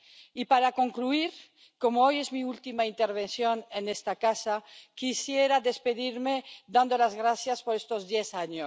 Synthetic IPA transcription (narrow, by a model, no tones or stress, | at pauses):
ipaɾakoŋkluiɾ | komoojezmiult̪imaint̪eɾβensjonenest̪akasakisjeɾaðespeðiɾmed̪and̪olazɣɾaθjaspoɾest̪ozd̪jesaɲo